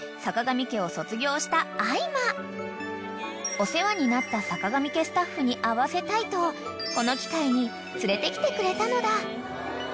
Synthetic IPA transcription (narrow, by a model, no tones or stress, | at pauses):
sakaɡamʲike̞o̞so̞t͡sɨɡʲo̞ːɕi̥t̪aːima | o̞se̞βaɲ̟inat̪ːasakaɡamʲike̞sɨ̥t̪aɸːɯ̟ɲ̟iʔaβase̞t̪ait̪o̞βa | ko̞no̞kʲi̥kaiɲ̟i | t͡sɨɾe̞t̪e̞kʲi̥t̪e̞kɯ̟ɾe̞t̪ano̞d̪a